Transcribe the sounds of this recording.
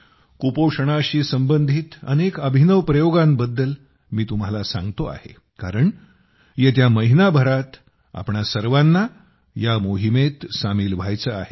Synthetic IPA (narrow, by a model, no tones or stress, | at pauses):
kupoʂəɽ̃aɕiːsəmbənd̪ʱiːt̪ə̰nekəbʱinəʋpɾəjoɡambəd̪ːəl | miːt̪um̤alasã̰ŋɡt̪oa̰hḛ | kaɾəɳ | jet̪̬jaməɦinabʱəɾat̪ | a̰pɳasəɾʋanːa | jamoɦimet̪samiːlʋʱajt͡səaɦe